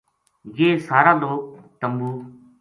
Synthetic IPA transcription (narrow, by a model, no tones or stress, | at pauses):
jeːsaːɾaːɗ̪oːt̪əmbuː